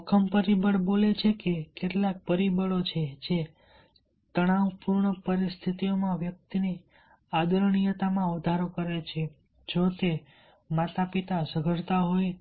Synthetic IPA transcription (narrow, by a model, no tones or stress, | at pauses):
kʰəmpəɾibəɭbolet͡ʃʰekekeʈlak̚pəɾibəɭot͡ʃʰed͡ʒe | t̪əɽ̃aʋpuɾɳəpəɾist̪ʰit̪ijomãʋjək̚t̪ine | ad̪əɾɳijət̪amãəd̪ʱaɾokəɾet͡ʃʰe | d͡ʒot̪e | mat̪ʰapit̪asəɡʱəɾt̪aɦoj